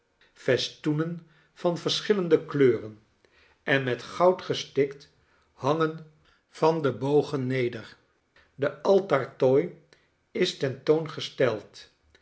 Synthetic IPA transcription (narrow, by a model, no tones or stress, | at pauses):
fɛstunən | v̥ɑnvəɹsχɪləndəkløːrən | ɛnmɛtχɑwtχəstɪkt | hɑŋən | v̥ɑndəbowχənːejdəɹ | dəɑlˠtɑɹtoj | ɪstɛntownχəstɛlˠt